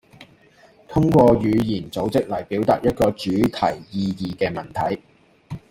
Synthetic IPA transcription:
t̪ʰʊ˥ŋkʷɔː˧jyː˨˧jiː˨˩nt͡so˨˥wt͡sɪ˥k̚lɐ˨˩jpiː˨˥wt̪aː˨t̚jɐ˥t̚kɔː˧t͡ʃyː˨˥t̪ʰɐ˨˩jjiː˧jiː˨˧kɛː˧mɐ˨˩nt̪ʰɐ˨˥j

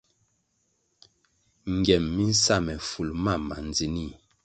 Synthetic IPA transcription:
ŋ˨ɡɛ˨mːi˦n̩˦sa˦˨mɛ˨fu˨lma˦˨ma̰˨n˨d͡zi˨ni˦˨

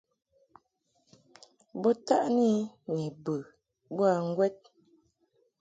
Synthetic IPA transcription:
bɔ˦ta˦ʔni˦ni˨bə˨ | bwa˨ŋ̩˦ɡwɛ˦t̚

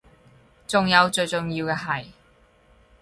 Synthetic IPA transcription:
t͡sʊ˨ŋjɐ˨˧wt͡sɵ˧ɥt͡sʊ˨ŋjiː˧wkɛː˧ɦɐ˨j

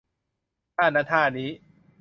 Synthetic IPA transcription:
aː˥˧˩naː˧˥t̪ʰaː˧˩niː˦˥

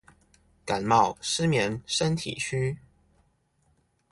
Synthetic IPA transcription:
ka˨˩nmɑ˥˩ʊʂɻ̩˥mjɛ˧˥nʂə˥nt̪ʰḭ˨˩t͡ɕʰy˥

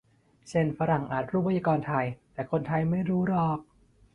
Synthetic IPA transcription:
t͡ɕʰe˥˩nfa˧˥ɾa˨˩ŋʔa̰ː˨˩t̪̚ʰɾuː˥˩pːa˧jaː˧kɔː˧nt̪ʰa˧jt̪ɛː˨˩kʰo˧nt̪ʰa˧jma˥˩jɾuː˦˥ɾɔː˧˩k̚

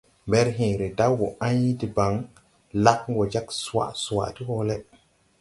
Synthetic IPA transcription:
mbe˦ɾɦĩ˨ɾe˨da˦wwo˨ã˦ɲi˦ti˨ba˨˦ŋ | la˦k̚ɡo˨d͡ʒa˦ksu˨wa̰˨su˨wa̰˨ti˦ho˦le˦

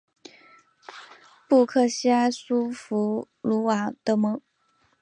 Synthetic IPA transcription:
pu˥˧kʰɤ˥˩ɕi˥a˥ɪsu˥fu˧˥ | lu˧˥wa˨˩t̪ɤ˧˥mɤ˧˥ŋ

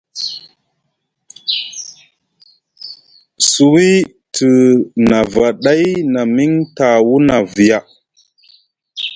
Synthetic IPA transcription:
su˨wi˦ | tə˨na˨va˨ɗa˦jna˨mi˦ŋta˨wu˦na˨vi˨ja˨

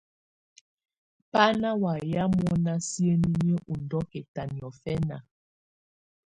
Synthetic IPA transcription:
pa˦na˦wa˨ja˦mɔ˦na˦si˦e˦ni˦ni˦ə˦ʔu˨ndɔ˦kɛ˨ta˨ni˨ɔ˨fɛ˦na̰˨

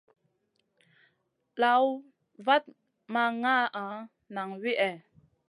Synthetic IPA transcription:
la˨˦w | va˦t̚ | ma˧ŋa˦ʔa˨˦ | na˨ŋwi˦ʔɛ˨

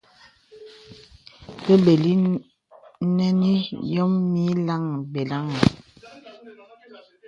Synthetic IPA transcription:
be˦be˨li˦ | nɛ˦ni˦jɔ˦mmi˦la˦˨ŋbe˨la˦ŋ˨

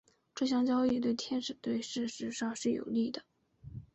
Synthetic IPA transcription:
ʈ͡ʂɤ˥˧ɕ̬jɑ˥ŋt͡ɕjɑ˥ʊi˥˧t̪we˥˧ɪt̪ʰjɛ˥nʂɻ̩˨˩t̪we˥˧ɪʂɻ̩˥˧ʂɻ̩˧˥ʂɑ˥˧ŋʂɻ̩˥˩jo̰˨˩ʊli˥˩d̪ə˩

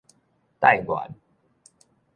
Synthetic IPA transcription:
t̪a˥˨ɪjɡwa̰˨˦n

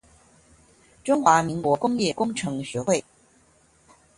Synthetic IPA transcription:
ʈ͡ʂʊ˥ŋxwa˧˥mi˧˥ŋkwɔ˧˥kʊ˥ŋjɛ˥˩kʊ˥ŋʈ͡ʂʰɤ˧˥ŋɕɛ˨˧˥xwe˥˩ɪ

